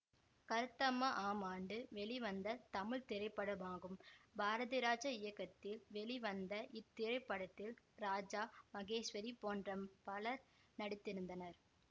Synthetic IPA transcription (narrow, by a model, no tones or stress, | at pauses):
kɐɾɯt̪ːɐmɐʔaːmaːɳɖɯʋɛɭiʋɐnd̪ɐt̪ɐmɪɭt̪ɪɾɐɪpːɐɽɐmaːɣɯmbʱaːɾɐðɪɾaːd͡ʒɐɪjɐkːɐt̪ːɪlʋɛɭiʋɐnd̪ɐʔɪt̪ːɪɾɐɪpːɐɽɐt̪ːɪl | ɾaːd͡ʒaːmɐɣeːʂʋɐɾipoːndrɐmpɐɭɐɾ | nɐɽɪt̪ːɪɾɯnd̪ɐnɐɾ